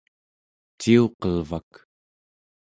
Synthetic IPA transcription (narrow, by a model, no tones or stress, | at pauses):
t͡ʃiuqʌlvak